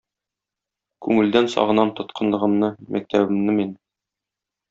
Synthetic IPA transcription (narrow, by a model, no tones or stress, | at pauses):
kʉŋɘ̆ld̪ænsɒ̰ʁɤ̆nɑmt̪ŏt̪qʰɤ̆nlˠɤ̆ʁɤ̆mnɤmʔæk̚t̪ʰæbɘ̆mnɘmin